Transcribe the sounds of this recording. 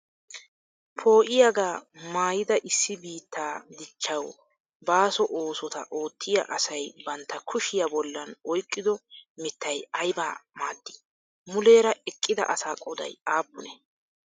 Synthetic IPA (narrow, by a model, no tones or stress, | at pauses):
pʰo̞ːʔɪjaɡaːmaːjɪd̪ɐʔɪsːɪbiːt̪ːaːd̪ɪt͡ʃːɐw | baːsɔʔo̞ːsɔt̪ɐ̰ʔo̞ːt̪ʰːɪjɐ̰ʔɐsɐjbɐnt̪ːɐkʰʊʃɪjɐbɔlːɐnɔjkʼːɪd̪ɔmɪt̪ːɐjɐjba̰ːmaːd̪ːɪ̥ | mʊle̞ːɾɐɛkʼːɪd̪ɐ̰ʔɐsaːkʼɔd̪ɐ̰jaːpːʊnɛ